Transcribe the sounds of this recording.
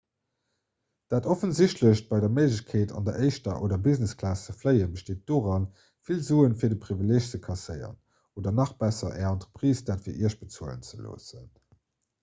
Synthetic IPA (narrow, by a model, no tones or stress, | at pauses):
d̥aːtofənziɕtləɕb̥ɑɪdɐməɪʒəɕkʰeːtʰɑ̰ndɐʔəɪʃtɐʔo̰ːdɐbizneskʰlaːst͡səfləɪəbəʃteːt̚d̥oːʁɑn | filzuːənfiːɐdəpʁivileːɕt͡səkʰɑsəɪɐ̰ʁən | oːdɐnɑχb̥æsɐʔɛɑntʁəpʁ̥iːsd̥aːtfiːɐʔiəɐɕb̥ət͡suələ̰nt͡səlo̰ːsən